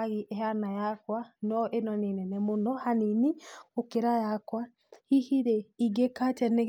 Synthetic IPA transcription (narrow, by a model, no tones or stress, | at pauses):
ɣiʔeɦanajakwanɔʔenɔnenɛnɛmonɔhaniniokeɾajakwa | hihiɾeiɡekatɛneɣ